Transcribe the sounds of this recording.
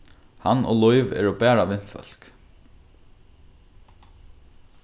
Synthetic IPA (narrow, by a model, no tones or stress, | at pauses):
hano̰ːlɔʏʋɛ̰ːɹoːbæːɹaʋɪnfœ̰l̥k